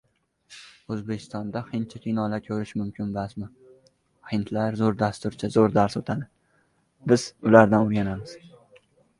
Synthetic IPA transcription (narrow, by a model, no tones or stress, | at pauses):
ɵzbe̞kʲʰɪ̥st̪ɒnd̪ahɪnt̪̚t͡ʃʰakʲʰinɒlakʲʰɵɾɪʃmʊmkʲʰɪnbasmɪ | hɪnt̪ʰlaɾzoɾd̪ast̪ʊɾt͡ʃʰazoɾd̪aɾsot̪ʰad̪ɪ | bɪzʊlaɾd̪anʊɾɡʲanamɪz̥